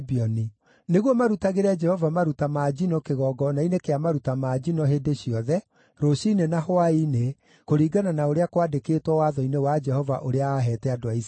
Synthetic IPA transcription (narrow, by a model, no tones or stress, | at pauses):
biɔni | neɣwɔmaɾutaɣeɾɛd͡ʒɛhɔvamaɾutamad͡ʒinɔkeɣɔɡɔnainekeamaɾutamaːd͡ʒinɔɦeːdeɕiɔðɛ | ɾoɕinenahwaine | koɾiːɡananaoɾeakwadekeːtwɔwaðɔinewad͡ʒɛhɔvaʔoɾeaːɦɛːtɛadoais